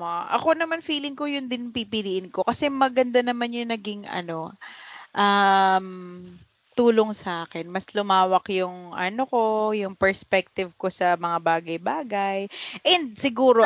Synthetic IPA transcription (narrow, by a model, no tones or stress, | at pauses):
ʔɐ̰ko̞nɐmanfiːlɪŋko̞jʊnd̪ɪnpipɪliːʔɪnko̞kɐsɛmɐɡɐnd̪anɐmanjʊŋnɐɡɪŋɐ̰no̞ʔɐm | t̪uːlo̞ŋsɐʔaːkɛnmɐslʊmaːwɐkjʊŋʔɐ̰no̞ko̞jʊŋpɛɹspɛk̚t̪ɪvko̞sɐmɐŋabaːɡɐjbaːɡɐjʔɛnd̪̚sɪɡuːɾo